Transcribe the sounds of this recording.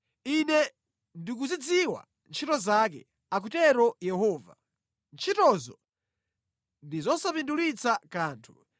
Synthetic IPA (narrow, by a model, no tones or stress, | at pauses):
inɛ | ndik̬uzid͡ziwa̰ | nt͡ʃʰitɔzak̬ɛ̰ | ak̬utɛɾɔjɛhɔːva̰ | nt͡ʃʰitɔzɔ | ndizɔsapindulit͡sakaːntʰu̥